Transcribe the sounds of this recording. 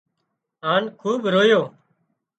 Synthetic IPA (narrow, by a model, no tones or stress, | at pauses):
aːnkʰuːɓɾoːjoː